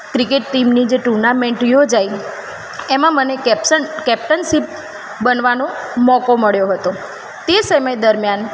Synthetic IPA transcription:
kɾikeʈːimnid͡ʒeʈuɾnameɳʈjod͡ʒaj | emãməneəkɛp̚ʈənsip̚ | bənʋanomɔkoməɭjoɦət̪o | t̪esəməjd̪əɾmjan

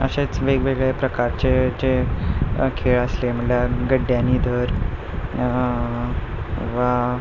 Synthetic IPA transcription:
ə̰ɕet͡sʋeɡʋeɡɭepɾəkaɾt͡ɕet͡ɕe | kʰeɭəslem̤əɳljaɡəɖːjaniːd̪ʱəɾ | ʋa

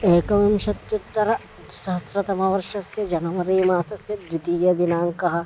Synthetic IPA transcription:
eːkɐʋimʃɐt̪jut̪ːɐɾɐ | sɐɦɐsɾɐt̪ɐmɐʋɐɾʃɐsjɐd͡ʒɐnɐmɐɾiːmaːsɐsjɐd̪ʋit̪iːjɐd̪inaːŋkɐɦɐ̆

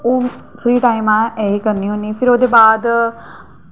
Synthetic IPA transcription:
oːpʰɾiːʈaːɪmãːeːiːkəɾniːɦoːniːpʰɪɾoːd̪eːbaːd̪

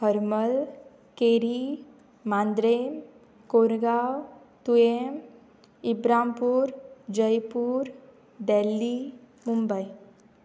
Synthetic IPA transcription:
həɾməl | keɾi | mãːnd̪ɾem | koɾɡaw | t̪uem | ibɾampuːɾd͡ʒəjpuːɾ | d̪elːi | mumbəi

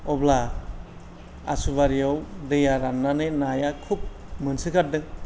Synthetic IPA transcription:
ɔbla | a̰suβaɾijawɾejaɾanːanenajakʰup̚mɯnsɯkʰat̚dɯŋ

